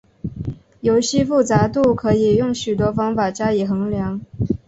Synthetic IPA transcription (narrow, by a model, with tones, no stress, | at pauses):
jo˧˥ʊɕi˥fu˥˩t͡sa˧˥t̪u˥˩kʰɤ˧˥i˨˩jʊ˥˩ŋɕy˨˩t̪wɔ˥fɑ˥ŋfa˨˩t͡ɕja˥i˨˩xɤ˧˥ŋljɑ˧˥ŋ